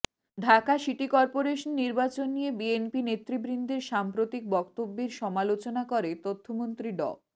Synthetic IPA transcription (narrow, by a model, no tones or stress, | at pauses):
ɖʱakaʃiʈikɔɾpoɾeʃonːiɾbat͡ɕonːijebienpinet̪ːɾibɾind̪ʱeɾʃampɾot̪ik̚bɔkt̪obːeɾʃɔmalot͡ɕonakoɾet̪ot̪ʰːomont̪ɾiɖɔ̰